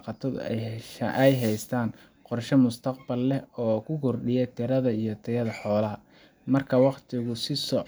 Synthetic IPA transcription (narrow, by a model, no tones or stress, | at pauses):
qɑt̪ʰɔd | ʔɛjɦɛjst̪ʰaːn | qɔrʃɛmʊst̪ʰɐqbɐlːɛɔːkʰʊkʰʊrɖɪjɛt̪ʰɪɾɐðɐijɞt̪ʰɛjɐðɐħɔːlɐɦɐ | mɐrkʰɐwɑqt̪ʰɪɣʊsɪsɔ